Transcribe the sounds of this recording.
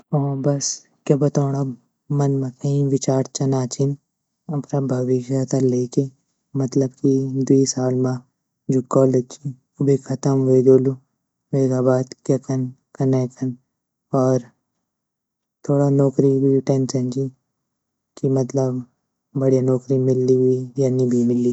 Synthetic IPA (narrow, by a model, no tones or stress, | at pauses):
ɔ̃bɐs | kjɐbɐt̪aːɽ̃a | mɐnmɐ̃kʰɐĩʋɪt͡ʃaːɾt͡ʃɐnaːt͡ʃin | ɐpɾabʱɐʋɪʃat̪aleːke | mɐt̪ləbkid̪uisaːlmã | d͡ʒʱʊkːaːld̪ekʰi | ʊbʱikʰɐt̪əmʋeːɡ̪oːlu | ʋeːɡaːbaːd̪kjɐkɐn | kɐnekʰɐn | ɔːɾ | t̪ʰoːɽanɔːkɾiɦuiʈẽnsɐ̃nd͡ʒi | kimɐt̪ləb | bɐɽijanɔːkɾimɪlːiɦuijaːnibʱimɪli